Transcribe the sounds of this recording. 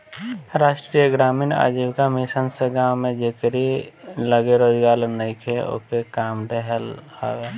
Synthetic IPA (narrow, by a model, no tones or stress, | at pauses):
ɾaːʃʈɾijəɡɾaːmina̰ːd͡ʒiwkamɪsənseɡawmẽd͡ʒekɾiləɡeɾoːd͡ʒɡaːɾnəikʰeo̰kekaːmɖeɦɛla̰ːwe